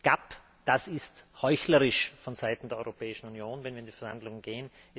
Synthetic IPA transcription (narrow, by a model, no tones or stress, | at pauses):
ɡ̥ap | d̥asɪsthɔʏçləʁɪʃfɔnzaɪtn̩d̥eːɐɔʏʁopʰɛːɪʃn̩unjoːnvɛnviɐɪndifɛɐha̰ndlʊŋənɡ̥eːən | ɛ